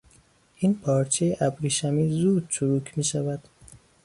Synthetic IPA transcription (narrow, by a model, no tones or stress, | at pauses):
ʔiːnpʰɒːɾt͡ʃʰejeʔæbɾiʃæmiːzuːd̪̚t͡ʃʰuɾuːkʰmiːʃævæd̪̥